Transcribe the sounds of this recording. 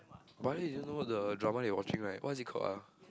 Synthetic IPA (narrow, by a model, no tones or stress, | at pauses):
balɛiiõnowɔt̚dədɹamaliwɔt͡ʃĩŋɹaɪtwʔɔ̰zikʰɔ̰a